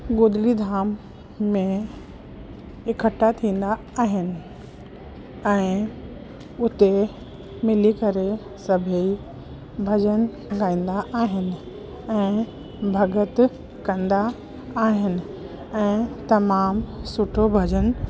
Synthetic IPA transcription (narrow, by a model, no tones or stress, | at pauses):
ɡoːd̪lid̪ʱaːmː | ẽ | ɪkʰəʈat̪ʰĩːn̆d̪a | aːɦɪnɪ̆ | ɛ̃ː | ʊt̪e | mɪlikɐɾe | sɐbʱei | bʱɐd͡ʑən | ɡaːĩːn̆d̪aʔaːɦɪnɪ̆ | ɛ̃ː | bʱɐɡət̪ | kɐ̃nd̪aː | ɦɪnɪ̆ | ɛ̃ːt̪ɐmaːmsʊʈʰobʱɐd͡ʑən